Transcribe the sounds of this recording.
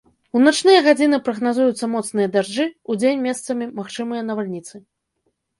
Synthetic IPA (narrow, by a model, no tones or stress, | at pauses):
unat͡ʂnɨjɐɣad͡zʲinɨpɾɐɣnazujut̪sːɐmɔt̪snɨjɐd̪aʐd͡ʐɨud͡zʲenʲmʲɛst̪sɐmʲimaxt͡ʂɨmɨjɐnɐvalʲnʲit̪sɨ